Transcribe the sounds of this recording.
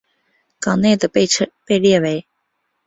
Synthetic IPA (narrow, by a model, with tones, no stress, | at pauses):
kɑ˨˩ŋne˥˩ɪd̪ə˩pʰpe˥˧ɪljɛ˥˩we˧˥ɪ